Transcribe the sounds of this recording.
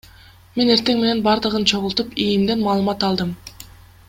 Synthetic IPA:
me̞ne̞ɾt̪e̞ŋme̞ne̞nbɑɾd̪ɯʁɯnt͡ʃʰo̞ʁʊlˠt̪upijimd̪e̞nmɑːlˠɯmɑt̪ɑlˠd̪ɯm

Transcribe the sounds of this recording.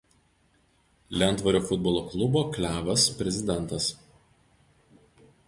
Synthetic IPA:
lʲɛˑnt̪ʋɐɾʲoːfʊd̪̚bɔlˠoːklˠʊboːklʲæːʋɐspʲɾʲɛzʲɪd̪ʲɛnt̪ɐs

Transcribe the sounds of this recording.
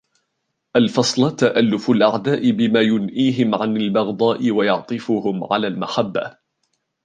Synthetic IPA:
ʔalfɑsˤlt̪ːaʔalːʊfʊlʔaʕd̪aːʔɪbɪmaːjʊnʔiːɦɪmʕanalbɑɣd̪ˤɑːʔɪwajɑʕt̪ˤɨfʊhʊmʕa̰laːlmaħabːa̰

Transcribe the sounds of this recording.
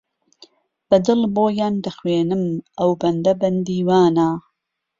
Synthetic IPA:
b̥ɐd̪ɨlboːjaːnd̪ɐxweːnɨmɐwbɐnd̪ɐbɐnd̪iːwaːnaː

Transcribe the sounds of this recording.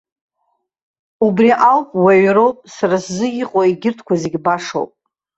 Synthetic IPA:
ubriʔawpʼwaɥɾowpʼsaɾaszɨjʲɪqʼoiɡʲɪrtʰkʷazeɡʲbaʂo̰wpʼ

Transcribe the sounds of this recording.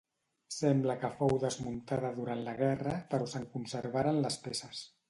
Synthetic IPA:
sɛmbləkəfowðəzmunt̪aðəðuɾant̪ləɣɛrəpəɾɔsəŋkunsəɾβ̞aɾənləspesəs

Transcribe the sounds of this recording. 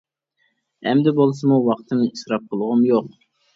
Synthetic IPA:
ɛ̰md̪ɛbolˠsɨmuwɑqt̪ʰɨmisɾɑp̚qʰəlˠʁʊmjoq

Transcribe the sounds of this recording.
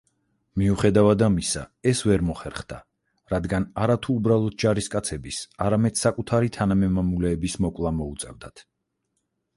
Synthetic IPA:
miuχɛd̪avad̪amisa̰ɛsvɛɾmɔχɛɾχd̪a̰ | ɾad̪ɡanaɾat̪ʰuːbɾalˠɔd̪̚d͡ʒaɾiskʼat̪sʰɛbisaɾamɛd̪̥sakʼut̪ʰaɾit̪ʰanamɛmamulɛːbismɔkʼlˠamɔut̪sʼɛvd̪at̪ʰ

